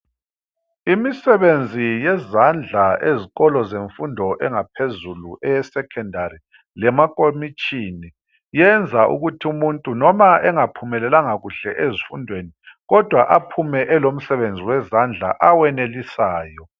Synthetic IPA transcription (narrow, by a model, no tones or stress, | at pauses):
imisɛβend͡zʱijɛzand͡ɮʱaeziɣɔlɔzeɱfundʱɔʔɛŋapʰezulṵʔɛjɛsɛkʰɛndʱaɾi | lɛmakʼomit͡ʃʼini | jɛnd͡zʱaʔṵɣutʰiumuntʼunɔmaɛŋapʰumɛlɛlaŋaɣuɬɛʔezifundʱweniɣɔd̥ʱwaʔapʰumɛʔɛlom̩sɛβend͡zʱiwɛzand͡ɮʱa̰ʔawɛnelisaːjɔ